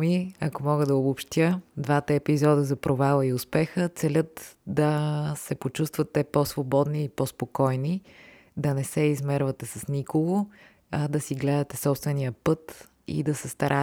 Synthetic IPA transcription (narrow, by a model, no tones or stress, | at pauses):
miɐkomɔɡəd̪ɐobopʃt̪jəd̪vat̪əɛpizɔd̪əzɐpɾovalˠəiʊspɛxət̪sɛlʲət̪d̪ɐsɛpot͡ʃust̪vət̪ːɛposvobɔd̪niːpospokɔjni | d̪ɐnɛsɛizmɛɾvɐt̪ɛsɐsnikoɡo | ɐd̪ɐsiɡlɛd̪ɐt̪ɛsɔpst̪vɛnijəpɤt̪ | ḭd̪ɐsɛst̪ɐɾa